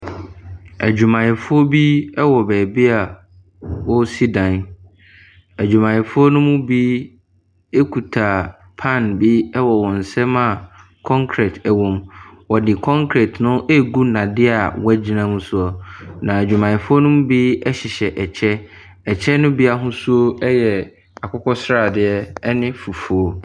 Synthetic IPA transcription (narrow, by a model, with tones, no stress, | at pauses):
æ̰˨d͡ʑᶣu˨mã˨jɪ˨fʊ˦ɔ˦bi˦ɛ˦wɔ˨bɛː˨bɪ˦a˨ | wɔ˦si˦dã˨n | æ˨d͡ʑᶣu˨mã˨jɪ˨fʊ˦ɔ˦nʊ̃˦mʊ̃˦bi˦ | e˦kʰu˨tʰa˨ | pʰã˦˨nbi˦ɛ˦wɔ˨wɔ̃˨n̩˨sɛ˦mã˦˨ | kʰɔ̃˦ŋkʰɾɛ˨tʰɛ˨wɔ̃˨mwɔ˨dɪ˨kʰɔ̃˦ŋkʰɾɛ˨tnʊ̃˦ʔe˦˨ɡu˦nã˨dɪ˦a˨wɛ˦d͡ʑi˦nã˦mũ˦sʊ˦ɔ˨nã˨æ˨d͡ʑᶣu˨mã˨ɪ̃˨fʊ˦o˦nʊ̃˦m˦bi˦ɛ˦ɕɪ˨ɕɛ˨ʔɛ˨t͡ɕʰɛ˦ | ɛ˨t͡ɕʰɛ˦nʊ̃˦bi˦a˦ɦʊ̃˦su˦o˦ɛ˦jɛ˨ | a˨kʰɔ˦kʰɔ˦sɾa˨dɪ˨ɛ˦ɛ˦nɪ̃˦fu˨fu˨o˦